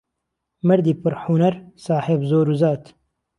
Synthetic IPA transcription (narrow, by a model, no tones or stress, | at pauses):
mɨɾd̪iːpɨɾħunɐɾsaːħebzoːɾuzaːt̪